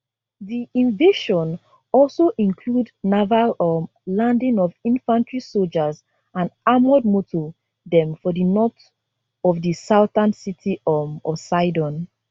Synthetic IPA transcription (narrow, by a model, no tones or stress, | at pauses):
ðiĩnveʃɔ̃n | ɔlsoʔĩnkʰludnavalɔm | lãndĩŋɔvĩnfãntɹisold͡ʒaz | ãndamɔd̚motʰo | dɛ̃mfɔdinɔt | ɔvdisaʊtãnsitʰiɔmɔ̰vsaɪdɔ̃n